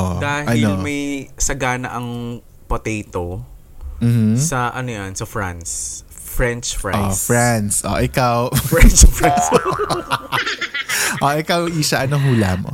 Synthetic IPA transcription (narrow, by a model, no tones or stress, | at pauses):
ʔod̪aːhaɪolmɐjsɐɡaːnɐ̰ʔɐŋ | pot̪ɛjt̪o | m̩ːh̩sɐʔɐnojɐnsɐfɹa̰ns | fɹɛnt͡ʃfɹɛ̰nsfɹansʔo̰ʔɪkawfɹɛnt͡ʃfɹɛns | ʔoʔɪkawʔiʃɐʔɐnoɦuːlamʔo̰